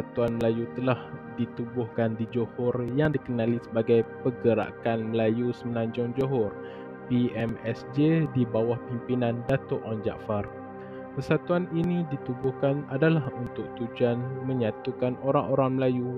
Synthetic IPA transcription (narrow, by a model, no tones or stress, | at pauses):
at̪uanməlajut̪əlahdit̪ubʊhkandid͡ʒohɔrjaŋdikənãlisəbaɡajpəɡəɾa̰kanməlajusəməlãɲd͡ʒʊŋd͡ʒoɦɔr | piɛmɛsd͡ʒedibawahpimpinãndat̪ʊʔɔnd͡ʒa̰ʔfar | pəsat̪uaninidit̪ubʊhkanadalahunt̪ʊk̚t̪ud͡ʒuanməɲãt̪ukanoɾaŋoɾaŋməlaju